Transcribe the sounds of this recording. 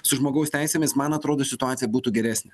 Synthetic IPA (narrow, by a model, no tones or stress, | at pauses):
sʊʒmoːɡɐʊsʲt̪ʲæˑɪsʲemʲɪsmɐnɐt̪ɾoːd̪oːsʲɪt̪ʊɑːt̪sʲɪjɛbuːt̪uːɡʲɛɾʲæːsʲnʲɛ